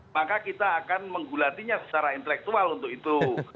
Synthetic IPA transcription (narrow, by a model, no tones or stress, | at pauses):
makakit̪aːkanməŋɡulat̪iɲasə̥t͡ʃaɾaint̪əlɛk̚t̪ualunt̪ʊkit̪u